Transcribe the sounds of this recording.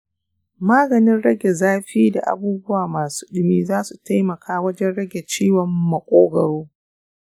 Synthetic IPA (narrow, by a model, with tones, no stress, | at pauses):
maː˦ɡɐ˨nɪ˦nɽɐ˦ɡʲe˨zaː˦ɸiː˦da̰˨ʔa̰˨buː˦bʊ˦waː˨maː˨su̥ː˦ɗɪ˦miː˦zaː˦su˨ta˦jmɐ˨kʰaː˦wɐ˦d͡ʒɛ˦nɽɐ˦ɡʲe˨t͡ʃiː˦wɔ˨mːɐ˨kʷʼoː˦ɡɐ˨ɽoː˦